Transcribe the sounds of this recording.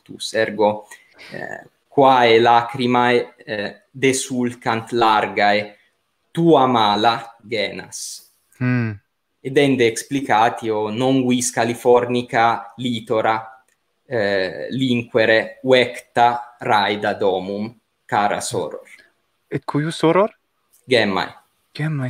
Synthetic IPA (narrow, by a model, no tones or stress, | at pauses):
t̪ṵsɛɾɡo̰ | kwaelakɾimae | d̪esulkant̪laɾɡae | t̪uamaːlaɡɛːna̰s | ed̪ɛnd̪eːksplikaːt̪ionoŋɡwiskalifɔɾnikalit̪oɾa | liŋkweɾewɛkt̪arajd̪ad̪ɔːmum | kaːɾa̰so̰ɾo̰ɾ | ɛt̪kʰujusoɾoɾ | ɡɛmːa̰j | ɡ̥ɛma